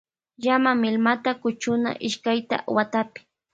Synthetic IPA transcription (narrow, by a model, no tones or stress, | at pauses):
jamamɪlmat̪akʊt͡ʃʊna̰ʔɪʃkajt̪a̰wat̪apɪ̥